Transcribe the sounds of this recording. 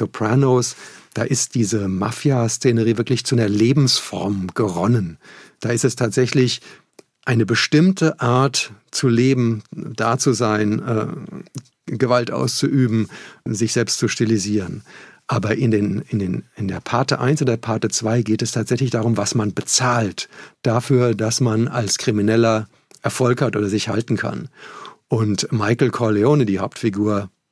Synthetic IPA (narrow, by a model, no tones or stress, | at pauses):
topʰʁanoːsd̥aːʔɪst̚d̥iːzəma̰fjast͡seːnəʁiːvɪɐklɪçt͡suɐleːbm̩sfɔ̰ɐmɡ̥əʁɔnənd̥aːɪstɛstʰaːtz̥ɛçlɪç | ʔaɪnəbəʃtɪmtəʔaɐtt͡suleːbm̩d̥aːt͡suzaɪnʔɛː | ɡəvaltʔa̰ʊst͡suʔyːbm̩zɪçz̥ɛlpstt͡suʃtiliziːʁənʔaːbɐʔɪndeːnɪndeːnɪndeːɐpʰaɐtəʔa̰ɪnsʊndeɐpʰaɐtət͡sv̥aɪɡeːtɛstʰaːtz̥ɛçlɪçd̥aːʁ̞ʊmvasmanbət͡saːltd̥afyːɐdasmana̰lskʁ̥iminɛlɐ | ʔɛɐfɔlkhatʔoːdɐzɪçha̰ltn̩kʰa̰nʔʊntmaɪkl̩kʰɔɐleoːnədiːhaʊp̚tfiɡuːɐ